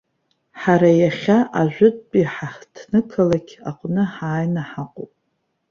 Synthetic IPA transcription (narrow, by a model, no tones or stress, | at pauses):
ħaɾajaχʲaʔaʒʷᶣʊtʼpʼiħaχtʰnɨkʰalakʲʰaqʷʼnɨħaːjnaħaqʷʼopʼ